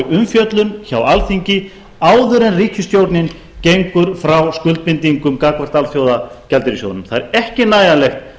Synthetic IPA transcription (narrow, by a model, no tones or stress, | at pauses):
ʏmfjœt̪lʏnçawalθiɲcɪ | aːwðʏɾɛnriːhcʏst̪jowɾt̪nɪn | cejŋkʏɾ̥fɾawskʏlt̪̚pɪnt̪iŋkʏmkaːkvar̥t̪alθjoːwðacɛlt̪ɪɾisjo̰ːwt̪nʏm̥θaðɛɾɛhcɪnaːjalɛxt̪